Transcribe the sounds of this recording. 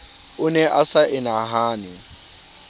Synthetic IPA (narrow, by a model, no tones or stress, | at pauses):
ʊnɛʔasaʔɪnaɦaːnɪ